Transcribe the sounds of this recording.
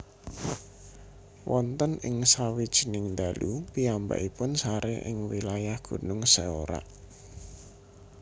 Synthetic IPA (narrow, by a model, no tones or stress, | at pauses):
wɔnt̪ənɪŋsawid̥ʒ̥inɪŋnd̪alʔupiamba̰ʔipʊnsaɾeʔɪ̰ŋwilajahɡ̥ṳnʊŋseo̰ɾa̰ʔ